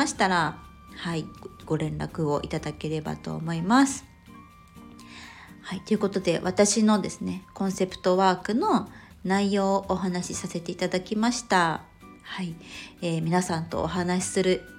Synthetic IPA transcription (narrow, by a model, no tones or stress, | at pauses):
aɕi̥t̪aɾa | haiɡ̥o̞ɾẽ̞nɾa̰kɯ̟o̞ʔit̪ad̪ake̞ɾe̞ba̰t̪o̞̰ːmo̞imasɨ̥ | hait̪o̞jɯ̟ko̞t̪o̞d̪e̞βat̪aɕino̞d̪e̞sɨne̞kõ̞ɰ̃se̞pɯ̥t̪o̞βaːkɯ̟no̞ | naijo̞ːʔːɦanaɕisase̞t̪e̞it̪ad̪akʲimaɕi̥t̪a | haieːmʲinasãnt̪o̞̰ːɦanaɕi̥sɨɾɯ̟